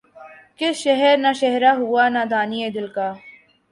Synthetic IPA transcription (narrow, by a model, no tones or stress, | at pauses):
kɪsʃɛɦɛɾnaʃɛɦɾaɦuaːnad̪aːnied̪ɪlkaː